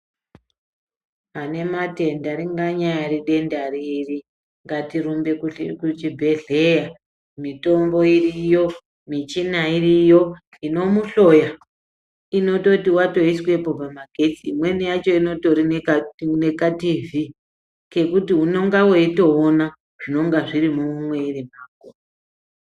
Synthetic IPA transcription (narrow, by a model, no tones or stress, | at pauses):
ane̞mate̞ndaɾiŋɡaɲajaɾiɗe̞ndariri | ŋɡatiɾumbe̞kut͡ʃibʱe̞ɮe̞ja | mito̞mbo̞irijo̞ | mit͡ʃinairijo̞ | ino̞muɬo̞ja | ino̞to̞tiwato̞iswe̞po̞pamaɡʱe̞t͡siːmwe̞nijat͡ʃo̞ino̞toɾineane̞kativi | ke̞kutiɦuno̞ŋɡaweito̞ːna | ʐ̥ino̞ŋɡaʐiɾimuumwe̞irimaːko